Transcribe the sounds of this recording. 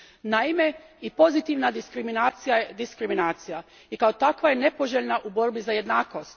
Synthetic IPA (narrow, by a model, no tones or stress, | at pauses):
naime̞ | ipo̞zit̪iʋnad̪iskɾimiaijad̪iskɾiminaːt̪sija | ikaot̪akʋaje̞ne̞po̞ʒeʎnaʔubo̞ɾbizaje̞d̪naːko̞st̪